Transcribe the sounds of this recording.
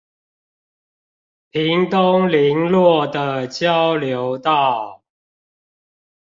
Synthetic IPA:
pʰi˨˦ŋt̪ʊ˦ŋli˨˦ŋlwɔ˥˨d̪ə˨t͡ɕjɑ˦ʊljo˨˦ʊt̪ɑ˥˨

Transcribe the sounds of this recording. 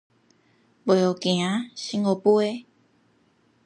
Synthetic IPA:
be˨o˨kĩ˨ã˨˦ɕĩ˦ŋo˨pu˦e˦

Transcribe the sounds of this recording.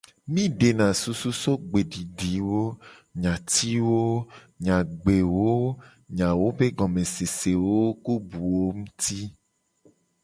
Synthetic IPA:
mĩ˦ɖe˨nã˨su˦su˦so˦ɡ͡be˨ɖi˨ɖi˨wo˦ɲã˨t̪i˦wo˦ | ɲã˨ɡ͡be˨wo˦ | ɲã˨wo˦be˦ɡɔ˨mẽ˨se˨se˨wo˦ku˦bu˨wo˦ŋũ˦t̪i˦

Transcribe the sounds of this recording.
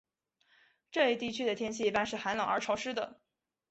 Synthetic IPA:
ʈ͡ʂɤ˥˧i˥˩t̪i˥˧˩t͡ɕʰy˥d̪ə˨t̪ʰjɛ˥nɕi˥˩i˧˥pa˥˧nʂɻ̩˥˩xa˧˥nlɑ˨˩ŋə˞˧˥ʈ͡ʂʰɑ˧˥ʊʂɻ̩˥d̪ə˨

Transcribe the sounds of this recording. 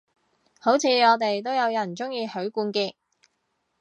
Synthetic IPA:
ho˨˥wt͡sʰiː˨˧ŋɔː˨˧t̪e˨jt̪̬o˥wjɐ˨˧wjɐ˨˩nt͡sʊ˥ŋjiː˧hɵ˨˥ɥkuː˧nkiː˧k̚

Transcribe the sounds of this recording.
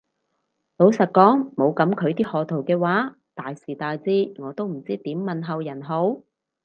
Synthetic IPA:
lo˨˥wsɐ˨t̚kɔː˨˥ŋmo˨˧wkɐ˨˥mkʰɵ˨˧ɥt̪̬iː˥hɔː˨˧t̪ʰo˨˩wkɛː˧waː˨˥ | t̪aː˨jsiː˨˩t̪aː˨jt͡siː˥ŋɔː˨˧t̪o˥wm̩˨˩t͡siː˥t̪iː˨˥mːɐ˨nɦɐ˨wjɐ˨˩nɦo˨˥w

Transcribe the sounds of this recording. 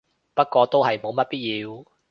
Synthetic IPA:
pɐ˥t̚kɔː˧t̪o˥wɦɐ˨jmo˨˧wmɐ˥t̚piː˥t̚jiː˧w

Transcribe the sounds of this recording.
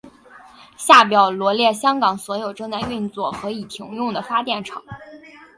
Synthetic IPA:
ɕja˥˩p̬jɑ˨˩ʊlwɔ˧˥ljɛ˥˩ɕjɑ˥ŋkɑ˨˩ŋswɔ˧˥jo˨˩ʊʈ͡ʂɤ˥˧ŋt͡sa˥˧ɪy˥˧nt͡swɔ˥˩xɤ˧˥i˨˩t̪ʰi˧˥ŋjʊ˥˩ŋd̪ə˩fa˥t̪jɛ˥˩nʈ͡ʂʰɑ˨˩˦ŋ

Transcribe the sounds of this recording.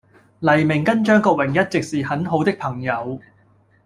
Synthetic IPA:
lɐ˨˩jmɪ˨˩ŋkɐ˥nt͡ʃœː˥ŋkɔː˧k̚wɪ˨˩ŋjɐ˥t̚t͡sɪ˨k̚siː˨hɐ˨˥nɦo˨˥wt̪ɪ˥k̚pʰɐ˨˩ŋjɐ˨˧w

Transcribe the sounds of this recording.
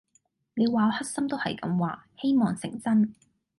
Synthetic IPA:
ne˨˧jwaː˨˧hɐ˥t̚sɐ˥mt̪o˥whɐ˨jkɐ̰˨˥mwaː˨˥he˥jmɔː˨˩ŋsɪ̰˨˩ŋt͡sɐ˥n

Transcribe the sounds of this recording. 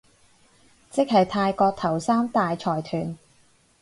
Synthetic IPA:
t͡sɪ˥k̚hɐ˨jt̪ʰaː˧jkɔː˧k̚t̪ʰɐ˨˩wsaː˥mt̪aː˨jt͡sʰɔː˨˩jt̪ʰyː˨˩n

